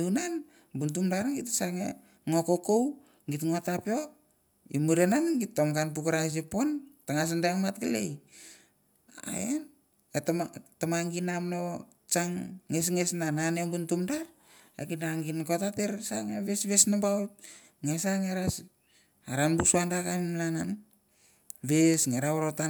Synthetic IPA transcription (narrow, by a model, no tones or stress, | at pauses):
unan | buntumdaɾɡitsaŋe | ŋokokow | ɡitŋotapeo̞k | imuɾenanɡitːomkanp̬ukaɾas̬epo̞ntaŋas̬andaaŋmatɡalḛj | a̰en | ttamaŋɡinamno | t͡ʃaŋːesŋesnananembuntumda | akinaŋɡinkotateɾsaŋaβesβesnabawt̚ | ŋesaŋeɾas | aɾanbusuandakanmlanan | βesŋeɾaoɾota